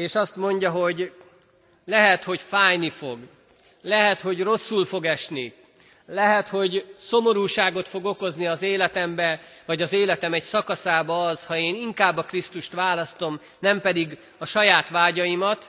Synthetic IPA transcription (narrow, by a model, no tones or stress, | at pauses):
eːʃɒst̪mo̞ɲɟɒɦo̞ɟ | lɛɦɛt̪ho̞ɟfaːjnifo̞̰ɡ | lɛɦɛt̪ho̞ɟro̞sːulfo̞ɡɛʃni | lɛɦɛt̪ho̞ɟso̞mo̞ɾuːʃaːɡo̞t̪fo̞ɡo̞ko̞zniɒzeːlɛt̪ɛmbɛvɒɟɒzeːlɛt̪ɛmɛɟsɒkɒsaːbɒːzhɒeːniŋkaːbːɒkrist̪uʃt̪ʋaːlɒst̪o̞m | nɛmpɛd̪iɡ | ɒʃɒjaːt̪ʋaːɟɒjimɒt̪